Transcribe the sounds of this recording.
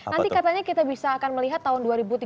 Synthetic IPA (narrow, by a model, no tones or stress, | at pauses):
nant̪ikat̪aɲakit̪abisaːkanməliɦat̪ːaɦʊnduaɾibut̪i